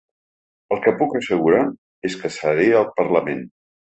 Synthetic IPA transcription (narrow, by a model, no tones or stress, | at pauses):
əlˠkəpukəsəɣuɾa | eskəsəɾeəlˠpəɾləmen